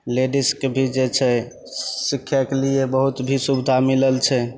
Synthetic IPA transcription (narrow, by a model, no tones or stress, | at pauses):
leɖiskebʱid͡ʒet͡ʃʰɛ | sikʰːjakeliebəɦut̪bʱisubd̪ʱamiləlt͡ʃʰɛ